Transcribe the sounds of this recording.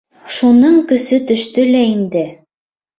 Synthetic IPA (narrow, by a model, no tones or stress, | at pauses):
ʃunɤɴkɵ̆sɵt̪ɵ̆ʃt̪ɵlæind̪ɘ